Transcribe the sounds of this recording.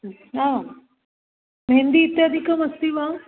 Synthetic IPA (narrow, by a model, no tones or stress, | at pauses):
na | mɦẽnd̪iːt̪jad̪ʱikəmɐst̪iʋãː